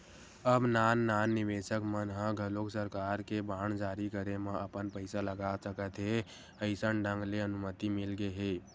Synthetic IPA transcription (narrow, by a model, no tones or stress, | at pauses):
əbnaːnːaːnːɪʋeːʃəkmənɦə̃ɡʱəloksəɾkaːɾkebaːɳ̃d͡ʒaːɾikəɾemãʔəpənpəɪsaləɡaːsəkət̪ɦe | əɪsəɳɖə̃ŋɡleənʊmət̪imɪlɡeɦeː